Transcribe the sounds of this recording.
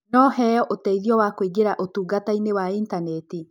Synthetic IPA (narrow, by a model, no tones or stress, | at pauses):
nɔhɛɔʔotɛiðjɔwakweɡeɾaʔotuːɡatainewaintanɛti